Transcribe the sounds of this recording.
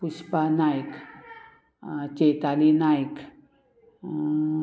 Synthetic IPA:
pʊʃpanajk | t͡ʃet̪alinajk

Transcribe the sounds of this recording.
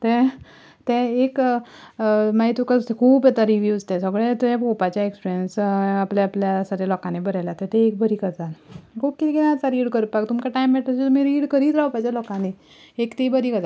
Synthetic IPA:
t̪ɛ̃ | t̪ɛ̃ek | mait̪ukakʰuːpjɛt̪aɾiʋjuːd͡zt̪ɛ̃səɡɭet̪ujapopat͡ɕjaekspiɾijənsapleapljasaʈjalɔkãnebəɾajlat̪ɛ̃t̪ẽek̚bəɾiːkəd͡zalkʰuːp̚kit̪ikinaat͡saɾiːɽkəɾpak̚t̪umkaʈajmːɛʈʰəset̪umiɾiɽkəɾiːt̪ɾawpad͡ʑalɔkãne | ekt̪ibəɾiːkəd͡za

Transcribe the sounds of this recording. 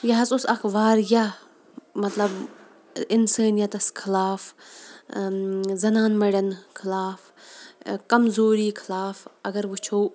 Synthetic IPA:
jɐɦɐsusɐxbaːɾjɐ | mɐt̪lɐb | ɪnsaːnijɐt̪ɐskʰɪlaːf | zɐnaːnmɐɽɐnkʰɪlaːf | kɐmzoːɾiːkʰɪlaːfɐɡɐɾʋut͡ʃʰoː

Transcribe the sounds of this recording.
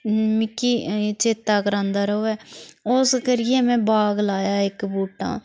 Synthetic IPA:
mɪkːiːt͡ʃeːt̪ːaːkəɾãːnd̪aːɾəoːɛːʊskəɾɪjɛːmɛ̃ːbaːɡlaːjaːɪkbuːʈã̰ː

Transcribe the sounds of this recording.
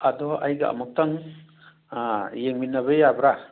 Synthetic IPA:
adɔʔajɡaa̰mak̚taŋ | jeŋminaβejabɾa

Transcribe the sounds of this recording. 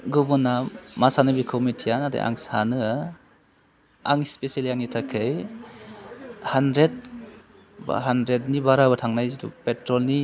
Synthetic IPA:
ɡubɔnamasanɯbikʰowmitʰijanadḛʔa̰ŋsanɯ | a̰ŋispesaliaŋnitʰakʰɯj | handɾet̚ | ba̰ɦandɾet̚nibaɾabɯtʰaŋnajzitṵpetɾɔlni

